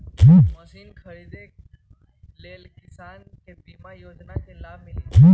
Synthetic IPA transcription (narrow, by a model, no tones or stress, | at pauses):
kʰiːkməsiːnkʰəɭid̪ek | lelkisan | kẽbimajod͡ʒnat͡selabmilikʰiː